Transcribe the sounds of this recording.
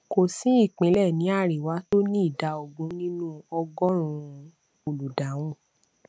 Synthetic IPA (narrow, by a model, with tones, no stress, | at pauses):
ko˨sĩ˨˦i˦˨k͡pẽ˨˦lɛ˦˨nĩ˨˦a˦˨ɾi˨wa˨˦to˦nĩ˦i˦˨da˨˦o˧˨ɡũ˧˦nĩ˦nũ˦ɔ˧ɡɔ̃˦ɾ̃ũ˧ | o˨lu˨da˨˦w̃ũ˦˨